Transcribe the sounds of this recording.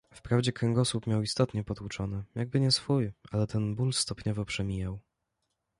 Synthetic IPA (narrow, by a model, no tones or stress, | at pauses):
fpɾavd͡ʑɛkɾɛŋɡɔsupmʲjawist̪ɔt̪ɲɛpɔd̪ut͡ʂɔnɘjaɡ̚bɘɲɛsfujʔalɛt̪ɛnbulst̪ɔpɲɔvɔpʂɛmʲijaw